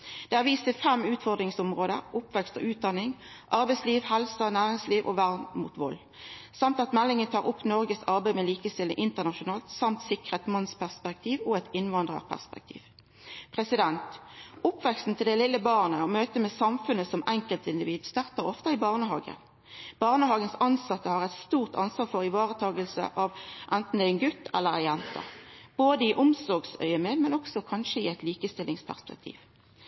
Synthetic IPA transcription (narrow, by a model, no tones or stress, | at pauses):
d̪̥ɛːhɑːʁʋiːst̪ɪfɛmʉːt̪fɔʁd̪ʁɪŋsʊmʁoːd̪ə̰ʁʊpːʋɛkst̪ɔ̰ʔʉːt̪̚d̪ɑnːɪŋʔɑʁbɛɪsliːʋhɛlsənæːʁɪŋsliːʋʔo̰ːʋæʁnmṵːt̪ʋɔlː | sɑmt̪ɑt̪mɛlːɪŋət̪ʰɑːʁʊpːnɔʁɡəsɑʁbæɪmeːliːkəst̪ɪlːə̰ŋʔɪnt̪əʁnɑʃʊnɑːlt̪sɑmt̪sɪkʁət̪mɑnspʰæʁspɛk̚t̪ʰiːʋoɛt̪ɪnʋɑnd̪ʁə̰ʁpʰæ̰ʁspɛ̰k̚t̪ʰḭːʋ | pʰʁɛsɪd̪ɛnt̪ʊpʋɛksn̩t̪ʰɪld̪ɛlɪlːəbɑʁnəɔmøːt̪əmɛːsɑmfʉnːəsɔmʔɛŋkəlt̪ɪnd̪ɪʋiːd̪st̪ɑʁt̪əʁɔft̪ɑɪbɑːʁnəɦɑːɡə̰n | b̥ɑːʁnəhɑːɡənsɑnsɑt̪ːəhɑʁɛt̪st̪uːʁt̪ʰɑ̰nsʋɑːʁfɔʁɪʋɑːʁət̪ʰɑːɡəlsə̰ʔɑʋʔɛnt̪n̩d̪æɪɛnɡʉt̪ːɛ̰lːəʁjɛnt̪ɑ̰b̥oːd̪əɪʔʊmsɔʁɡsœ̰ʏəmeːmɛnɔksɔkʰɑnʃəɪɛɪt̪liːkəst̪ɪlɪŋspʰæ̰ʁspɛ̰kt̪ʰḭːʋ